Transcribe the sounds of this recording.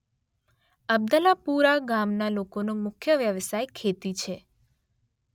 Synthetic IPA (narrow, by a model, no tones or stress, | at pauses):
əb̚d̪əlapuɾaɡamnalokonomʊkʰjəʋjəʋsajkʰet̪it͡ʃʰe